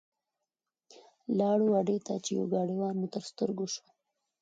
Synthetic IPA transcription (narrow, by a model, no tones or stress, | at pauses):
lɑːɽuwaɖet̪a̰t͡ʃejo̰ɡɑːɽiwɑɾmut̪əɾst̪əɾɡoʃo̥